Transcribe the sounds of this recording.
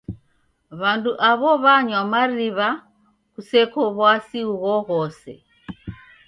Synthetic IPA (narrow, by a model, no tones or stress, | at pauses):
βanduʔaβɔβaɲwamaɾiβa | kusɛkɔβwasiuɣɔɣɔsɛ̰